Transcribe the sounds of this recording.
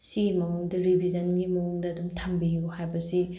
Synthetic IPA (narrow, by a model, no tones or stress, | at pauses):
simɐuŋdɐɾibʱizɐnɡimɐuŋdɐːdumtʰambijuhajbɐsi